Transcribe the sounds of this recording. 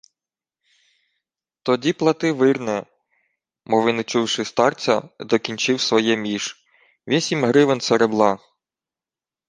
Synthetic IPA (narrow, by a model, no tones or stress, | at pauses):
t̪ɔdʲiplˠɐt̪ɪʋɪrnɛ | mɔʋɪnɪt͡ʃuwʃɪst̪ɑrt͡sʲɐ̰d̪ɔkʲinʲt͡ʃɪwsʋɔjɛmʲiʃ | ʋʲisʲimɦɾɪʋɪnseɾeblˠɑ